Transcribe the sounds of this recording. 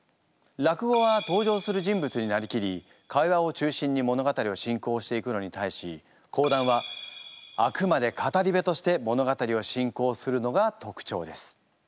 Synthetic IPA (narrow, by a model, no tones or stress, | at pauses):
ɾakɯ̟ɡo̞βat̪o̞ːʑo̞ːsɨɾɯ̟ʑĩmbɯ̟t͡sɨɲ̟inaɾʲikʲiɾʲi | kʰaiβao̞t͡ɕɨːɕĩɲ̟ːimo̞no̞ɡat̪aɾʲio̞ɕĩŋko̞ːɕi̥t̪e̞ikɯno̞ɲ̟it̪aiɕi | kʰo̞ːd̪ãɰ̃βa | akɯ̟mad̪e̞kʰat̪aɾʲibe̞t̪o̞ɕi̥t̪e̞mo̞no̞ɡat̪aɾʲio̞ɕĩŋko̞ːsɨɾɯ̟no̞ɡat̪o̞kɯ̟̥t͡ɕo̞̰ːd̪e̞sɨ̥